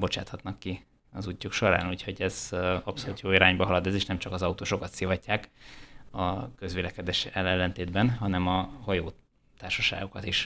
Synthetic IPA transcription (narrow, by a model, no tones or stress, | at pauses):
bo̞t͡ʃaːt̪hɒt̪nɒkːi | ɒzucːukʃo̞ɾa̰ːnuːcho̞ɟɛz̥ɒpso̞luːt̪joːiɾaːɲbɒɒlɒd̪ɛzeːʃnɛmt͡ʃɒkɒzɒut̪oːʃokɒt̪sivɒcːaːk | ɒkø̞zʋeːlɛkɛd̪ɛʃɛlːɛlːɛnt̪eːd̪bɛnɦɒnɛmɒhɒjoː | t̪aːrʃɒʃa̰ːɡo̞kɒt̪iʃ